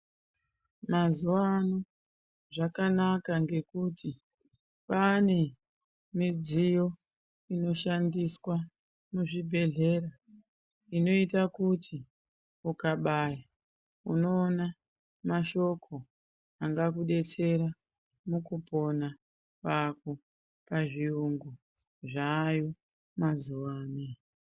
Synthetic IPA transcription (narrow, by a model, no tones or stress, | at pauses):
mazuwano | ʐakanakaŋɡe̞kuti | pane̞ | mid͡zijo̞ | ino̞ʃandiswa | muʐibʱe̞ɮe̞ɾa | ino̞itakutʰi | ukaɓaːja | uno̞ːna | maʃo̞kʰo̞ | aŋɡakuɗe̞t͡se̞ɾa | mukupo̞na | pako | paʐiuŋɡu | ʐaːjo | mazuwaːne